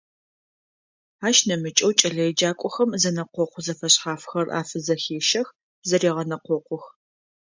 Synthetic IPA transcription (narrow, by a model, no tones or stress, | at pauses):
aːʃnɐmɨt͡ʃʼɐwt͡ʃʼɐɮɐɛd͡ʒaːkʷʼɔxɐmzɐnɐqʷɔqʷʰʊzɐfɐɕħaːfxɐra̰ːfɨzɐxeːʃɐx | zɐɾiːʁɐnɐqʷɔqʷʊx